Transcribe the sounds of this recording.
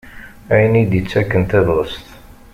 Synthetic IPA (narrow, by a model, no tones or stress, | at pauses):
æjnid̪jət͡sːækːənt̪eðˤʁəst̪